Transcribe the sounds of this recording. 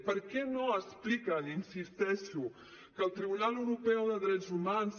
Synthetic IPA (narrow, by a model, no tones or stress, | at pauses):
pəɾkɛnoəsplikəninsist̪ɛʃu | kəlˠt̪ɾiβunalˠəwɾupɛwðəðɾɛzumans